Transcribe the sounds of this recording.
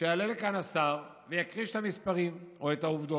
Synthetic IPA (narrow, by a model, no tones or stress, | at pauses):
ʃealelekanasaʁ | vejakʁiʃe̥t̪amispaʁimo̞et̪auvd̪o